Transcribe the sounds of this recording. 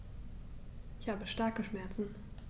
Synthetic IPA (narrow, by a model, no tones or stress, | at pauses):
ʔɪçhaːbəʃtaɐkəʃmɛɐt͡sn̩